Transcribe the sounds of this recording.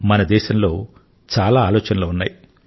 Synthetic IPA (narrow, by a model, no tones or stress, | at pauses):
mɐnɐd̪ɛːʃɐmlo̞ː | t͡ʃaːlaːaːloːt͡ʃɐnɐloːunːa̰ːji